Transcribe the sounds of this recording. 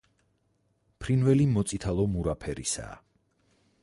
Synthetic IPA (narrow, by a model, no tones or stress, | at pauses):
pʰɾinvɛlimɔt̪sʼit̪ʰalˠɔmuɾapʰɛɾḭsa̰ː